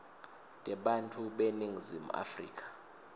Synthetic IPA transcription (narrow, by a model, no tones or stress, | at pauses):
tʼɛɓantʰuɓeniŋizima̰frḭːk̬ʰʼḁ